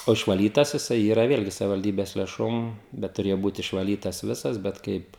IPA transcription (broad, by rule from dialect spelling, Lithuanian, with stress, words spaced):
oː ɪʃʋɐˈlʲiːtɐs jɪˈsɐɪ ˈiːrɐ ˈʋʲeːlʲɡʲɪ sɐʋʲɪʋɐlʲˈdʲiːbʲɛs lʲeːˈʃoːm ˈbʲɛt tʊˈrʲeːjoː ˈbuːt ɪʃʋɐˈlʲiːtɐs ˈʋʲɪsɐs bʲɛt ˈkɐɪp